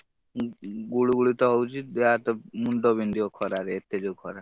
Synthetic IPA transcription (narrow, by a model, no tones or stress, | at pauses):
ɡuɭuɡuɭit̪ɔɔwt͡ʃid̪eat̪ɔmuɳɖɔbind̪iɔkʰɔɾaɾeet̪ːed͡ʒewkʰɔɾa